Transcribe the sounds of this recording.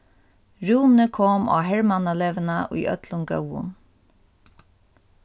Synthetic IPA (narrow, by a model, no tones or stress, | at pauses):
ɹuːnəkʰɔːma̰ːɦɛɹmanaleːʋɪnaʔṵjʔœ̰t̪lʊnɡœ̰wʊ̰n